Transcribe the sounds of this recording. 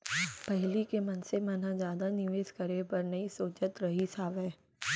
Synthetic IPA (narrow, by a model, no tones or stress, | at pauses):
pɐɦlikemɐnsemãnãd͡ʒjaːd̪anɪʋeːʃkɐɾepɐɾnɐisoːt͡ʃət̪ɾɐɦisʰaːʋɛː